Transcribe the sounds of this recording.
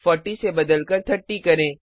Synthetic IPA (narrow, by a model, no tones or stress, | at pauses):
fɔːʈːisebɐd̪əlkəɾt̪ʰɐʈːikɐɾẽː